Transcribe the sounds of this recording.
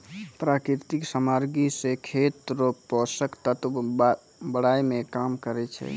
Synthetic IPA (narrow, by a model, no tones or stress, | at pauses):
pɾakɾiɾt̪iksamaɾɡisekʰet̪ɾopɔsəkt̪ət̪ | bəɽajmekamkəɾɛt͡ʃʰɛ̰